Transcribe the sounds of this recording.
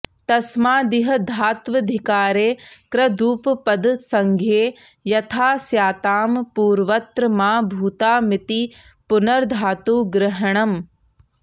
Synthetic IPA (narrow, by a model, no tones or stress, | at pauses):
t̪ɐsmaːd̪iɦɐ̆d̪ʱaːt̪ʋɐd̪ʱɪkaːɾeːkɾɐd̪uːppɐd̪sɐŋɡʱeː | jɐt̪ʰaːsjaːt̪aːmpuːɾʋɐt̪ɾɐmaːbʱuːt̪aːmɪt̪i | pʊnɐɾd̪ʱaːt̪uːɡɾɪɦɐɳ̃ɐm